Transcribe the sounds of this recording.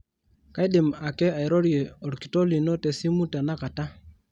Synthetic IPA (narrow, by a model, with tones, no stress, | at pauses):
ka˦i˦dɪ˨ma˨kɛ˦a˨i˨ɾɔ˦ɾje˨ɔ˨ɾki̥˨to˦li˨nɔ˦te˨si˦mu˦ta˨na˦ka˨ta˦